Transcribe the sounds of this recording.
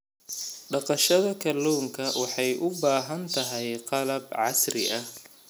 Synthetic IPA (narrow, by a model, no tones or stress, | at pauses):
ɖɑqɑʃɐðɐkʰɐlːuːŋkʰɐwɑħɑjʔʊbaːɦɐnt̪ʰɐɦɛjqɑlɐbʕɑsrɪ̰ʔɐh